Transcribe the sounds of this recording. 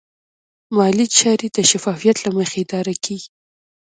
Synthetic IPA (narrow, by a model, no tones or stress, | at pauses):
mɑlit͡ʃɑɾid̪̥əʃafɑfijat̪laməxeɪd̪ɑɾakʰeɡi